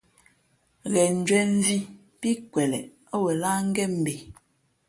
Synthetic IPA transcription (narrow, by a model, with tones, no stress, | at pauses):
ɣɛ˨n̩˨d͡ʒwɛ˦n̩˦zi˦ | pi˦kwɛ˨lɛ̰˨ | ɔ˦wɛ˨la˦ŋ̩˦ɡɛ˦m̩˨be˨